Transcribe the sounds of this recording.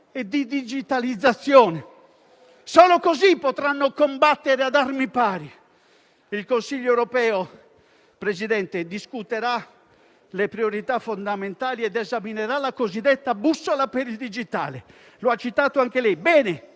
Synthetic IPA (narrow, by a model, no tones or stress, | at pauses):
ed̪id̪id͡ʒit̪alid̪zːat̪sːjɔːne | soːlokozipːot̪ɾanːokombat̪ːeɾead̪armipaːɾi | ilkonsiʎːoɛwɾopɛːo | pɾezid̪ɛnt̪ed̪iskut̪eɾa | lepɾioɾit̪afond̪ament̪aːliɛd̪ezamineɾalakozid̪ːɛt̪ːabusːolapeɾild̪id͡ʒit̪a̰ːle | loat͡ʃːit̪aːt̪oaŋk̟elɛjbɛːne